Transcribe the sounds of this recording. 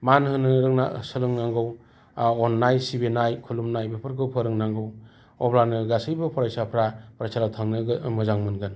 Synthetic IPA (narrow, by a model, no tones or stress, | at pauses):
manɦɯnɯɾɯŋna̰sɯlɯŋnaŋɡɯw | ɔnːajsibenajkʰulumnajbɯpʰɯɾkɯpʰɯɾɯŋnaŋɡɯw | ɔbɾanɯɡasɯjbɯpʰɔɾajsapʰɾapɾasaɾawtʰaŋnɯɡmɯzaŋmɯnɡɯn